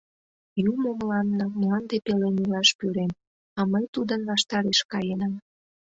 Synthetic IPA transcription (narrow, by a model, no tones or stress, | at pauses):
jumomlɑnːɤmlɑnd̪epelenilɑʃpyɾem | ɑməjt̪ud̪ənβɑʃt̪ɑɾeʃkɑjenɑm